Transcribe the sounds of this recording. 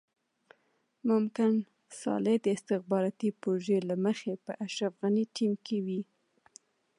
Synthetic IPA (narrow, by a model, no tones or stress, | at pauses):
mʊmkɪn | sɑ̰led̪əɪst̪ɪxbɑɾɑt̪ipɾoʒelaməxepəʔaʃɾafɣaniʈimkewi